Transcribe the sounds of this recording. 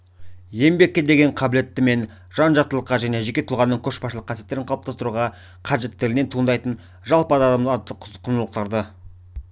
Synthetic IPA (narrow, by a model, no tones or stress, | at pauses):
je̞mbe̞kʲːed̪e̞ɡʲe̞ɴqʰɑbɪle̞t̪ːɪme̞n | ʒ̥ɑnʒɑq̚t̪əlˠəqːɑʒæne̞ʒe̞kʲe̞t̪ʰʊlʁɑnːəɴkʲʰɵʃbɑsʃəlˠəqʰːɑsije̞t̪ːe̞ɾɪɴqʰɑlˠəp̚t̪ɑst̪əɾuʁɑ | qʰɑʒe̞t̪ːɪlɪne̞nt̪ʰuənd̪ɑjt̪ən | ʒɑlˠpəɑd̪ɑd̪ɑmd̪əqʰqʰənəlˠəq̚t̪ɑɾd̪ə